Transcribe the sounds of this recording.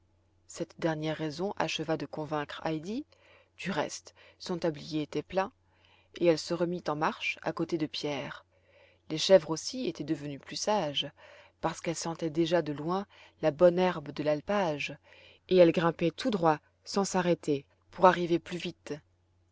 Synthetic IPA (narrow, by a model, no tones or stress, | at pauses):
sɛt̪d̪ɛʁnjɛʁːɛzɔ̃ʔa̰ʃəvad̪əkɔ̃vɛ̃kχa̰jd̪i | d̪̥yʁɛ̰st̪sɔ̃t̪ablijeːt̪ɛplɛ̃ | eɛlsəʁəmit̪ɑ̃maʁʃa̰kot̪ed̪əpjɛːʁ | leʃɛvʁosiet̪ɛd̪əvənyplysaʒpaʁsə̥kɛlsɑ̃t̪ɛd̪eʒad̪əlwɛ̃labɔnɛʁbd̪əlalpaʒ | eɛlɡʁɛ̃pɛt̪ʰud̪ʁwa | sɑ̃saʁet̪e | puʁaʁiveplyvit̪